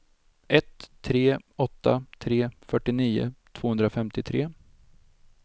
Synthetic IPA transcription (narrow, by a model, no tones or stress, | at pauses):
ʔɛt̪ʰːɾeːɔt̪ːa̰t̪ʰɾeːfœʈːɪniːʊ̰t̪ʰvoːhɵnd̪ɾafɛmt̪ɪt̪ʰɾeː